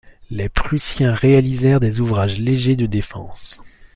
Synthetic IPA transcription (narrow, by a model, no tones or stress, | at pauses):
lepχysjɛ̃ʁealizɛʁd̪ezuvʁaʒleʒed̪əd̪efɑ̰̃ːs